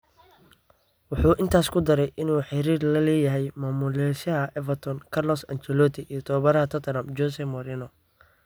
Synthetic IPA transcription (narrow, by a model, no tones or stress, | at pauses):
wʊħuːʔɪnt̪ʰaːskʰʊd̪ɐɾɛjʔɪnuːħɪɾiːrlɐlɛːjɐɦɛjmaːmʊlɛʃɐɦɐʔɛvɐt̪ʰɔnkʰɐlɔsɐnt͡ʃɛlɔt̪ʰɪʔijɔt̪ʰɔːβɐɾɐɦɐt̪ʰɔt̪ʰɾɐmd͡ʒɔsɛmɔɾinɔ